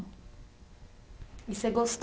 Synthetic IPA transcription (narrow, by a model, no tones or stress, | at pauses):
isɛɡɔst̪